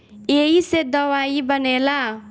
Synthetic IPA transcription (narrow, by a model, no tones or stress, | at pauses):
eɦised̪ʌwaibʌnela